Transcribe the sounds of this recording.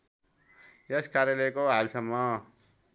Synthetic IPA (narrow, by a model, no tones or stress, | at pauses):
jeskaɾjalʌjkoɦalsʌmːʌ